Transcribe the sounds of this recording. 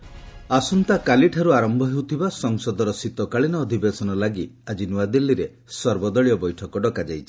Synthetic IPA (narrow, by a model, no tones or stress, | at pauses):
asunt̪akaliʈʰaɾuaɾɔmbʱɔɦewt̪ʰibasɔŋsɔd̪ɔɾɔsit̪ɔkaɭinɔːd̪ʱibesɔnɔlaɡiad͡ʒinuad̪ilːiɾe | sɔɾbɔd̪ɔɭijɔbɔjʈʰɔkɔɖɔkad͡ʒajt͡ʃʰi̥